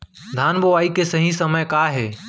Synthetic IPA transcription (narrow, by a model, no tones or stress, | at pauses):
d̪ʱaːnboʋaːikesɐɦĩsɐməjkaːɦeː